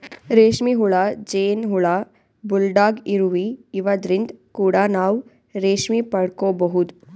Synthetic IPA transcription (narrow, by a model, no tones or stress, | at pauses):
ɾeːʃmiɦuɭad͡ʒeːnɦuɭa | bulɖaːɡiɾuʋiːʋɐd̪ɾind̪kuːɽanaːw | ɾeːʂmipɐɽkoːbɐɦud̪u